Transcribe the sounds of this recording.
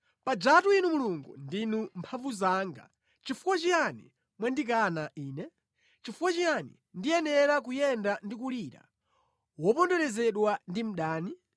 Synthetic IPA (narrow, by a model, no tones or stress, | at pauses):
pad͡ʒatuinumuluŋɡṵndinumpʰaɱvuzaːŋɡa̰ | t͡ʃifukwat͡ʃijanḭ | mwandik̬anaʔiːnɛ | t͡ʃifukwat͡ʃijanḭ | ndijɛnɛɾak̬ujɛndandik̬uliɾa̰ | wɔpɔndɔɾɛzɛɗwandim̩ɗaːni